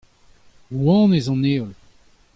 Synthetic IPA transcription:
wɑ̃ːnezɑ̃neːɔl

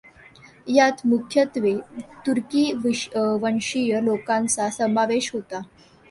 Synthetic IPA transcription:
jat̪mukʰjət̪ʋet̪uɾkiːʋiʋəɳʂijəlokãnt͡sasəmaʋeɕɦot̪a

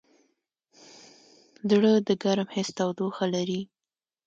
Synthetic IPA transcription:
zɽəd̪əɡaɾmhɪst̪awd̪oxalaɾi

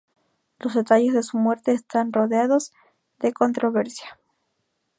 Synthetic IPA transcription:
lo̞zðe̞t̪aʝe̞zðe̞sumwe̞ɾt̪e̞ːst̪anro̞ðeaðo̞z | ðe̞ko̞nt̪ɾo̞βe̞ɾsjḁ

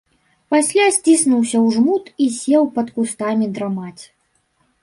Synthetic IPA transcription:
pasʲlʲasʲt͡sʲisnuwsʲɐwʐmut̪isʲɛwpɐt̪kust̪amʲid̪ɾamat͡sʲ

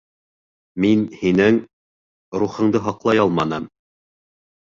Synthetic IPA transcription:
minhinɘŋ | ɾuχɤ̆ɴd̪ɤɦɑqlˠɑjɑlˠmɑnɤm

